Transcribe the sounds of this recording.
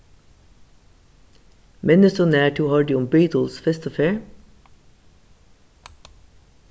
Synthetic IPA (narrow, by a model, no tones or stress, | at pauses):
mɛnəsɔnæːʈʰuːhɑːɖʉːʊmbiːt̪ʰl̩sfɛst̪əfeːɹ